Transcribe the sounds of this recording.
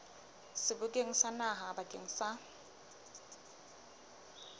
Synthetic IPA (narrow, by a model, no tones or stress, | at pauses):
sɪbʊkʼeŋ̩sanaɦabakʼḛŋ̩sa